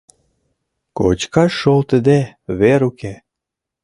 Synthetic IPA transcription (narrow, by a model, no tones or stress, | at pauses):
ko̰t͡ɕkɑʃːolt̪əd̪eβeɾuke